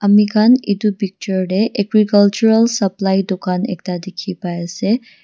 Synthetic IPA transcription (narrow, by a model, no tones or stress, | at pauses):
ɐmikanḭd̪ubik̚t͡ʃəɾɖeʔeɡɾikɐlt͡ʃuɾəlsɐplajd̪ukanḛk̚t̪ad̪ekʰipajase